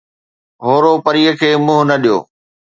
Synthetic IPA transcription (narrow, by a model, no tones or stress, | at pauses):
ɦoːɾopɐɾiːəkʰeːmʊ̃ːɦʊnɐɗijo̰ː